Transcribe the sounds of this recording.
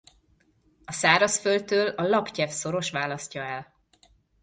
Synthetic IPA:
ɒsaːɾɒsfølt̪øːlɒlɒpcɛfso̞ɾo̞ʃʋaːlɒscɒɛl

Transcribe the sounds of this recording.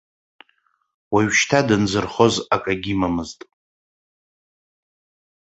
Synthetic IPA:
waɥʃtʰadɨnd͡zɨrχo̞zakʼaɡʲimamɨztʼ

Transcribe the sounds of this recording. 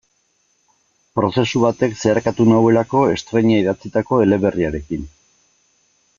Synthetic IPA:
pɾo̞se̞suβat̪e̞kse̞aɾkat̪unawe̞lako̞e̞st̪ɾe̞ɲaiðat͡sit̪ako̞e̞le̞βe̞riaɾe̞kin

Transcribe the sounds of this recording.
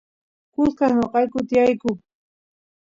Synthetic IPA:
kʊlkaɲoqɑjkʊt̪ɪjajkʊ

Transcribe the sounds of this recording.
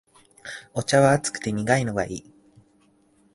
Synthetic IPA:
o̞t͡ɕaβaːt͡sɨ̥kɯ̥t̪e̞mʲiɡaino̞ɡa̰iː

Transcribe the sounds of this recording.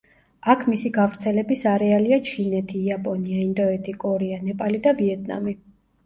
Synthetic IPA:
akʰmisiɡavɾt̪sʰɛlɛbisaɾɛaliat͡ʃʰinɛt̪ʰiːapʼɔniaind̪ɔɛt̪ʰikʼɔɾɛanɛpʼalid̪aviɛt̪̚ʰʼna̰mi

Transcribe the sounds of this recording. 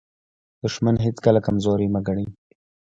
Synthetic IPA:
d̪̥ʊʃmanɦɪt͡skalakamzɔɾimaɡaɽi

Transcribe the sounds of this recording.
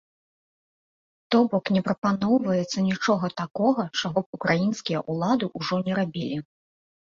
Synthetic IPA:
t̪ɔbɔknʲɛpɾɐpanɔwvɐjɛt̪sːɐnʲit͡ʂɔɣɐt̪akɔɣɐt͡ʂaɣɔpukɾajinskʲijɐʔulˠad̪ɨʔuʐɔnʲɛɾabʲilʲi

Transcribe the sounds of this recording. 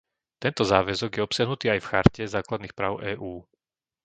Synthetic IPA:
t̪ɛnt̪ɔzaːʋɛzɔɡjɛɔpsɪaɦnut̪iːajfxaɾcɛzaːklad̪niːxpɾaːʊʔɛːʔuː

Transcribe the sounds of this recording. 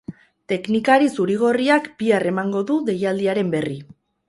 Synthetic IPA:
t̪e̞knikaɾisuɾiɣ̞o̞riakbiare̞maŋɡo̞ðuðe̞jald̪iaɾe̞mbe̞ri

